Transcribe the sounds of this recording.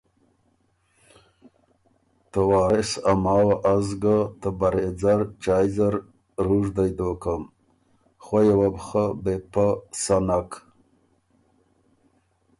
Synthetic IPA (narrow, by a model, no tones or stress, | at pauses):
t̪awɑːɾɪsamɑːwaʔazɡat̪əbaɾed͡zaɾt͡ʃaːjzaɾ | ɾuʐd̪ajd̪okəm | xojawabxəbepasanak